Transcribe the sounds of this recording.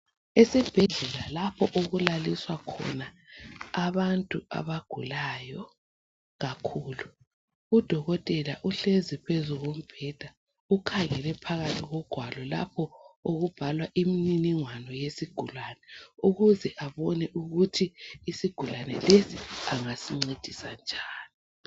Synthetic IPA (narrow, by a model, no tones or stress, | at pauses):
esib̥ʱɛɮɛlalapʰɔʔoɣulaliswakʰɔ̰naː | βantʼua̰βaɡ̥ʱulajɔ | ɣakʰuːlu | ud̥ʱɔɣɔtʼɛlaʔuɬezipʰezuɣom̩b̥ʱɛd̥ʱa | ukʰaŋɛlɛpʰaɣatʰiɣɔɡ̥ʱwalɔla̰pʰɔoɣub̥ʱalwaʔimininiŋwanɔjesiɡ̥ʱulwanɛuɣuzɛʔaβɔnɛʔuɣutʰiːsiɡ̥ʱulwanɛ̰lesiaŋasiŋ͡ǀed̥ʱisand͡ʒʱaːni